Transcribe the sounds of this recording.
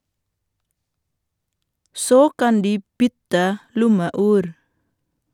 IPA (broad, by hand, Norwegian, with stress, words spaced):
ˈsoː ˈkɑn ˈdiː ˈbʏtə ˈlʊməˌʉːɾ